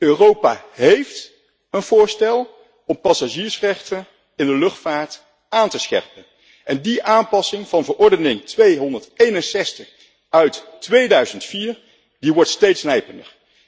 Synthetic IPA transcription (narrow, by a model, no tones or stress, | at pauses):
øːrowpa̰ɦejft | ənv̥ʊːɹstɛlˠ | ɔmpɑsaʒiːɹsrɛχtən | ɪndəlɵχtfaːɹt | ʔaːntəsχɛ̰ɹpən | ʔɛndiʔaːnpɑsɪŋv̥ɑnvəɹʔɔɹdənɪŋtʋejɦɔndəɹtejnənsɛstəχ | œɥttʋejdœɥzəntfiːɹ | diʋɔɹtstejtsnɛjpəndə̰ɹ